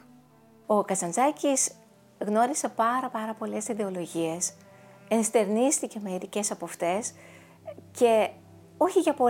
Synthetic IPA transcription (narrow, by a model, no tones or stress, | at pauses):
o̞kɐsɐnzɐcis | ɣno̞ɾise̞pɐɾɐpɐɾɐpo̞le̞siðe̞o̞lo̞ʝie̞s | enst̪e̞ɾnist̪ice̞me̞iɾice̞sɐpoft̪e̞s | ce̞ | o̞çiʝɐpo̞